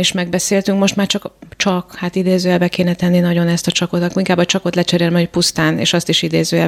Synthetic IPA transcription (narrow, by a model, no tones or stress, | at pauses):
iʃmɛɡ̚bɛseːlt̪yŋkmo̞ʃt̪maːrt͡ʃɒkt͡ʃɒkhaːt̪id̪eːzøːjɛbɛkeːnɛt̪ɛnːinɒɟo̞nɛst̪ɒt͡ʃɒko̞t̪kiŋkaːbːɒt͡ʃɒko̞t̪lɛt͡ʃɛɾeːlmho̞cpust̪aːnḛːʃɒst̪iʃid̪eːzøːjɛ